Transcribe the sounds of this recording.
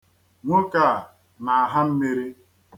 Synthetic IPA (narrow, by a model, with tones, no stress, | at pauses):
ŋʷʊ˦ka˦˨ | na˨a˨ɦa˦m̩˦me˦ɾi˦